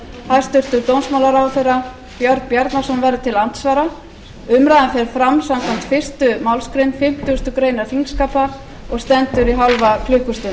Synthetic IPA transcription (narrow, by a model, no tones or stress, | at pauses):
hajst̪ʏr̥t̪ʏɾt̪ownsmawlaɾawθera | pjɔɾt̪pjaɾt̪nasɔnvɛɾðʏt̪ʰɪlan̥t̪svaːɾa | ʏmɾajðanfjɛlfɾamsamkʰvam̥t̪fɪr̥st̪ʏmawlskɾenfɪm̥t̪iʏst̪ʏkɾejnaθiŋkskaːpa | ɔɣst̪ɛnt̪ʏɾiɦawlvakʰlʏhkʏst̪ʏn